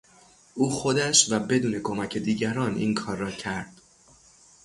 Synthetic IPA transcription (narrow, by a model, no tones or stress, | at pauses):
ʔuːxo̞d̪æʃvæbe̞d̪uːne̞kʰo̞mæcʰe̞d̪iːɟæɾɒːnʔḭŋkʰɒːɾːɒːcʰæɾd̪̥